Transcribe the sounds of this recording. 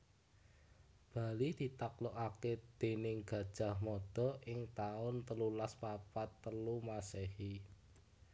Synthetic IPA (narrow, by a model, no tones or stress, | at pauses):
b̥ä̤lid̪̥i̤t̪akloʔaked̪̥e̤nɪŋɡ̥ä̤d̥ʒ̥a̤hmɔd̪̥ɔ̤ʔɪŋt̪aʊnt̪əlulaspapat̪ːəlumasehi